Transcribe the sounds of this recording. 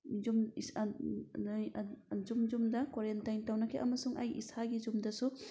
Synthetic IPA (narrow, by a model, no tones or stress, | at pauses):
zums | zumzumdɐkwaɾentajntawnɐkʰeʔɐmɐsuŋʔɐjḭsaɡizumdɐsu